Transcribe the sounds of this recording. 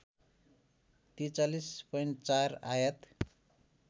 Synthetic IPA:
t̪it͡salispʌjɳʈ̚t͡sara̰jʌt̪

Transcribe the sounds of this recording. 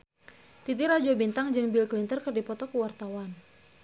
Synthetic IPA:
t̪it̪̬iɾad͡ʒobint̪aŋd͡ʒɨŋbilklint̪ərkɨrdipɔt̪ɔkəwart̪awan

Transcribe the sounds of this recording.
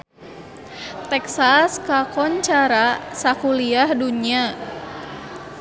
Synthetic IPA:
t̪ɛksaskakɔɲt͡ʃaɾasakuliahduɲia

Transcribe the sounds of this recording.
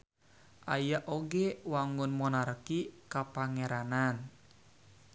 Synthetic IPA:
ʔajaʔoɡɛwaŋʊnmɔnarkikapaŋɛɾanan

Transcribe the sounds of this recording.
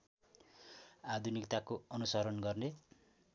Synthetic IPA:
ad̪ʱunikt̪akoʌnusʌɾʌnɡʌrne

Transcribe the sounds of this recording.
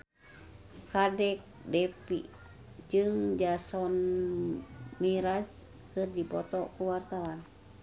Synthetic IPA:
kadɛk̚dɛpḭ | d͡ʒɨŋd͡ʒasɔn | miɾad͡ʒ | kɨrdipɔt̪ɔkuwart̪awan

